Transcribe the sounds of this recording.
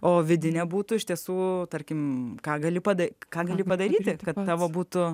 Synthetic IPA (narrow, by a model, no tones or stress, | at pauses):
oːʋʲɪd̪ʲɪnʲɛbuːt̪ʊɪʃʲt̪ʲiɛsuːt̪ɐrʲkʲɪmkɑːɡɐlʲɪpɐd̪ɐkɑːɡɐlʲɪpɐd̪ɐɾʲiːt̪ʲɪkɐt̪t̪ɑːʋoːbuːt̪ʊ